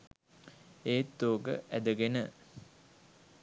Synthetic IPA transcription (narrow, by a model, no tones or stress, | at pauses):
eːt̪ːoːɡə̰ʔæd̪əɡenə